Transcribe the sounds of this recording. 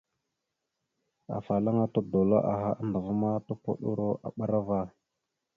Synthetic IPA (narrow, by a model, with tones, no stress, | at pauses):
a̰˨fa˨la˦ŋa˦to˦do˨lo̰˦ʔa˨ɦa˦nda˨va˦ma˦to˦ko˦ɗu˦ɾo˦ʔa̰˨ɓa˦ɾa˦va˦